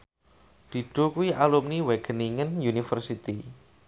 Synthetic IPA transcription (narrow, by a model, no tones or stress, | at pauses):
d̪̥i̤ɖ̥o̤kuiʔalumniweɡ̥əniŋənjunifərsit̪i